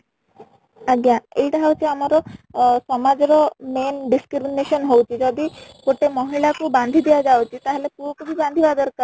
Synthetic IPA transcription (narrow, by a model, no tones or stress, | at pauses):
aɡjaejʈaɦewt͡ʃʰiamɔɾɔsɔmad͡ʒɔɾɔmenɖiskɾiminesɔnɦowt͡ʃʰid͡ʒɔd̪ikoʈemɔɦiɭakuband̪ʱid̪iad͡ʒawt͡ʃʰit̪aɦelepuɔkubʰiband̪ʱibad̪ɔɾkɔ